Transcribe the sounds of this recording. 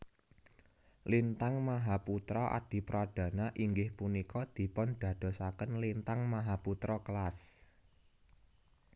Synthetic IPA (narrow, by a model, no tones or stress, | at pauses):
lint̪aŋmaɦaput̪ɾɔʔa̰d̪̥i̤pɾad̪̥ä̤naʔiŋɡɪhpunikɔd̪̥i̤pɔnd̪̥ä̤d̪̥o̤sakənlint̪aŋmaɦaput̪ɾɔkəlas